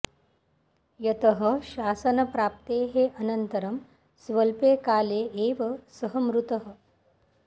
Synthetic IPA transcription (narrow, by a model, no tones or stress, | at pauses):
jɐt̪ɐɦəʃaːsɐnɐpɾaːp̚t̪eːɦeʔɐnənt̪ɐɾɐm | sʋɐlpeːkaːleːʔeːʋɐsɐɦəmɾut̪əɦə̆